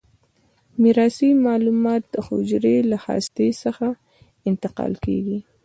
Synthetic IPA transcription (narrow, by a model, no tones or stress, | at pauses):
miɾɑsimɑlumɑːt̪̚d̪̥əhʊ̰d͡ʒɾelaha̰st̪esəxa | ɪnt̪ɪqɑ̰lkḛɡi